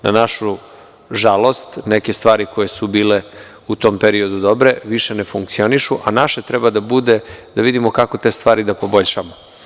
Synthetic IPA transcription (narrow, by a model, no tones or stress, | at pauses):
na̰naʃu | ʒalˠo̞st̪ne̞ke̞st̪ʋaːɾiko̞jesubiːle̞ | ut̪o̞ːmpeɾio̞d̪ud̪o̞bɾe̞ʋiʃe̞ne̞fuŋk̚t̪sio̞niʃuʔanaʃet̪ɾɛbad̪abud̪e̞d̪aʋid̪imokako̞t̪e̞ːst̪vʋaːɾid̪apo̞bo̞ʎʃamo